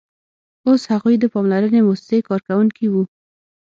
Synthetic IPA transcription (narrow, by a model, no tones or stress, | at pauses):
oshaɣujd̪əpɑmlaɾənemosɪ̥sekɑɾkawuŋkiwu